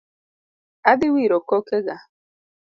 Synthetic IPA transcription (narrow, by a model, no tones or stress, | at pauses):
adɪwiɾokokeɡa